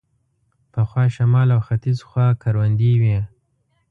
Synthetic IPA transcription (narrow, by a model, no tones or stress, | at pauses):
pəxwɑʃamɑlawxat̪izxwɑkʰaɾwand̪iwi